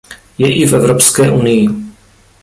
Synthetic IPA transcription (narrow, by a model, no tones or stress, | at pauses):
jɛʔɪfɛvɾopskɛːʔunɪjɪ